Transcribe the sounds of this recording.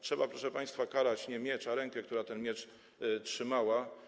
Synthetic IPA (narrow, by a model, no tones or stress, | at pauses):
tʂɛbapɾɔʂɛpaj̃st̪fakaɾat͡ɕɲɛmʲjɛt͡ʂaɾɛŋkɛkt̪uɾat̪ɛnmʲjɛt͡ʂ | tʂɘmawa